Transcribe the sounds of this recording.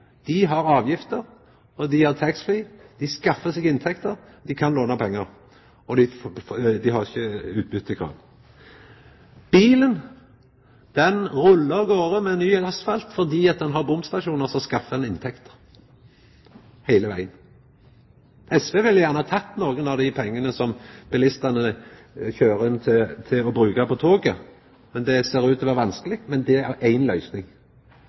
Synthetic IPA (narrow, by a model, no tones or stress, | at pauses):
d̪̥ɪɦɑɾɑːʋjɪft̪əʁ | ɔd̪ɪhɑʁt̪ʰɛksfliːd̪̥ɪskɑfːəsɪɡɪnt̪ʰɛkt̪əʁd̪ɪkʰɑnloːnɑpʰɛŋːəʁ | ɔd̪ɪ | d̪ɪhɑʁɪçːəʉːt̪̚bʏt̪ːɪkʰɾɑ̰ːʋ | b̥iːlən | d̪̥ɛnʁʊlːəɡoːɾəmɛnːyːɑsfɑlt̪fɔd̪iːɑt̪̚d̪ɛnɦɑʁbʊmst̪ɑʃuːnəʁsɔskɑfːəd̪ɛnɪnt̪ʰɛkt̪ə̥ | hæɪləʋæ̰ɪən | ɛsʋeːʋɪljæʁnəhɑːt̪ʰɑt̪ːnoːɡənɑʋd̪ɪpʰɛŋːənəsɔmb̥ɪlɪst̪ɑnə | çøːʁəɪnt̪ʰɪt̪ʰɪlɔbɾʉːkɑpɔt̪ʰoːɡə | mɛnd̪ɛseːɾʉːt̪ɔʋæʁʋɑnskəlɪɡmɛnd̪ɛæʔæɪnlœʏsnɪŋ